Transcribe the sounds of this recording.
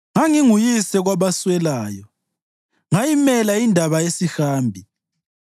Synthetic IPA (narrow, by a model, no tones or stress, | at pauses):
ŋaŋiŋujisɛɣwaβaswɛlaːjɔ | ŋajimɛlaindʱaβaesihaːmbʱi